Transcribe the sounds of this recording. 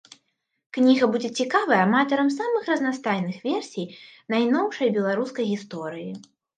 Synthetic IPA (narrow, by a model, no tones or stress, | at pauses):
knʲiɣɐbud͡zʲɛt͡sʲikavɐjɐːmat̪ɐɾɐmsamɨxrɐznast̪ajnɨxvʲɛrsʲijnajnɔwʂɐjbʲɛlˠaɾuskɐjɣʲist̪ɔɾɨji